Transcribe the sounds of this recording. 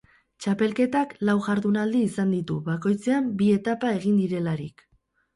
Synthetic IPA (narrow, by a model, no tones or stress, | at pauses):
t͡ʃape̞lke̞t̪aklawʝaɾðunald̪iːsand̪it̪uβako̞jt͡seambie̞t̪apae̞ɣind̪iɾe̞laɾḭk